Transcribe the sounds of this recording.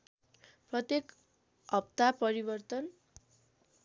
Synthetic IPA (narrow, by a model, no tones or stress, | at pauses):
prʌt̪jek | ʌp̚t̪apʌɾibʌrt̪ʌn